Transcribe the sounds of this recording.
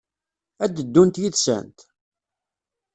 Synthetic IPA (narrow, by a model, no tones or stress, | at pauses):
æd̪əd̪ːunt̪jiθsə̰nt̪